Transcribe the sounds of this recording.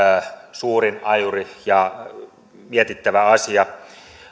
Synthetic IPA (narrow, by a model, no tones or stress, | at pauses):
suːrinɑjurijɑ | miet̪it̪ːæʋæɑsiɑ